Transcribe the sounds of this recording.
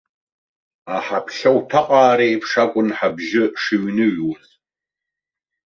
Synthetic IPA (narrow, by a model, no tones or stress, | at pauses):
aħapʰɬɐwtʰaqʼaːɾejpʰʂakʷʼʊnħabʒɪʂɨɥnɨɥu